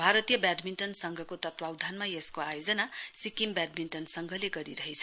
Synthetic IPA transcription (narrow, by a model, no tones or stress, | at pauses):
bʱaɾʌt̪ijʌbaɖminʈʌnsʌŋɡʱʌkot̪ʌt̪wawd̪ʱanmajeskoajod͡zʌnasikimbaɖ̚minʈʌnsʌŋɡʱʌleɡʌɾiɾʌɦet͡sʰʌ̥